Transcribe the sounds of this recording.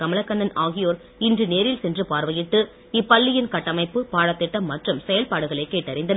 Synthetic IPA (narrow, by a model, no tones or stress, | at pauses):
kɐmɐlɐkːɐnːɐnaːɣɪjoːɾ | ɪndrɯneːɾɪlsɛndrɯpaːɾʋɐjɪʈːɯ | ɪpːɐɭːɪjɪnkɐʈːɐmɐɪpːɯpaːɽɐt̪ːɪʈːɐmːɐʈrɯmsɛjɐlpaːɽɯɣɐɭɐɪkːeːʈːɐɾɪnd̪ɐn